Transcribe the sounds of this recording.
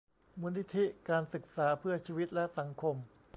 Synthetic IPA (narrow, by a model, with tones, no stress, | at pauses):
muː˧˥ni˦˥t̪ʰi˦˥kaː˧nsɯ˨˩k̚saː˩˦pʰɯ˥˩ɐt͡ɕʰiː˧wi˦˥t̪̚lɛ˦˥sa˩˦ŋkʰo˧m